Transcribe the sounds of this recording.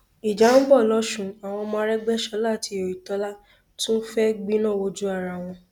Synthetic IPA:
i˨d͡ʒa˨˦n̩˦bɔ˦˨lɔ˦ʃũ˦˨a˨w̃ɔ̃˧mãː˦˧˦ɾɛ˦ɡ͡bɛ˦ʃɔ˧˦la˦˨ti˧˦o˨ji˨tɔ˧˦la˦ | tũ˦n̩˦fɛ˦ɡ͡bĩ˦nã˦˨wo˧˦d͡ʒu˦a˦˨ɾa˨w̃ɔ̃˧

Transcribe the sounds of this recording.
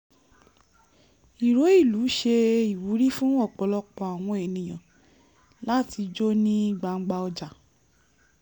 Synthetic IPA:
i˨ɾo˨˦i˦˨lu˨˦ʃe˧i˨wu˨˦ɾi˦fũ˦ɔ˦˨k͡pɔ˨˧lɔ˧k͡pɔ˧˨a˨w̃ɔ̃˧e˨nĩ˨j̃ã˨ | la˦ti˧d͡ʒo˦nĩ˦i˦˨ɡ͡ba˨˧ŋ͡m̩˦ɡ͡ba˧ɔ˧d͡ʒa˨

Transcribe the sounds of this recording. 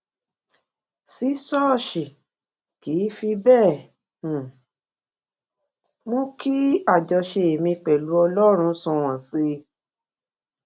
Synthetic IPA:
si˨˦sɔ˦˨ʃi˨ | kiː˨˦fi˧bɛ̃ː˦˨ | mõ˦ki˦a˦˨d͡ʒɔ˧ʃe˧˨e˨mĩ˧k͡pɛ˨lu˨˦ɔ˧lɔ˦ɾ̃ũ˧sɔ̃˧˨w̃ɔ̃˨se˧

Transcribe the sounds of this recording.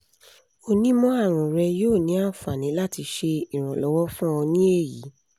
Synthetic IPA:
o˧nĩ˦mɔ̃˦a˦˨ɾ̃ũ˨ɾɛ˧joː˦˨nĩ˨˦a˦˨fa˨nĩ˨˦la˦ti˧ʃe˧i˨ɾ̃ɔ̃˨lɔ˨˦wɔ˦fũ˦ɔ˧nĩ˦e˦˨jḭ˨˦

